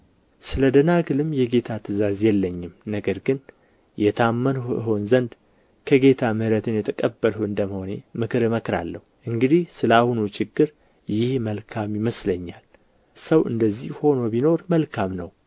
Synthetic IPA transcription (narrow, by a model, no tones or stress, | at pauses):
sɨləd̪ənaɡɨlɨmjɛɡe̞t̪ʰat̪ʰɨzazjɛlːəɲːɪmnəɡəɾɡɨn | jɛt̪ʰamːənɨ̰ɦo̞nzənd̪ | kʰəɡe̞t̪ʰamɨhɾət̪ʰɨnjɛt̪ʰəkʼəbːəlhuɨnd̪əmho̞ne̞mɨkʰɨɾɨməkɾa̰lːə̰huʔɨŋɡɨd̪ihsɨləahunut͡ʃʰɪɡːɨɾ | jɪhməlkʰamjɪməsləɲːal | səwʔɨ̰nd̪əzːihho̞no̞bino̞ɾməlkʰamnə̰w